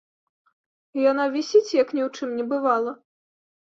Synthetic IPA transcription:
ijanavʲisʲit͡sʲjɐknʲɛwt͡ʂɨmnʲɛbɨvalˠɐ

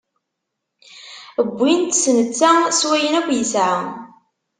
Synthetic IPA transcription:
əbːint̪snət͡sːaswæjənækʷːjəsʕa

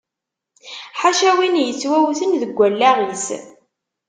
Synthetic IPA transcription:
ħaʃæwinjət͡sːwæwθənðəɡʷːælːæʁis

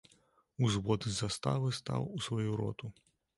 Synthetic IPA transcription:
uzvɔd̪ɨzast̪a̰vɨst̪a̰wusvajuɾɔ̰t̪u

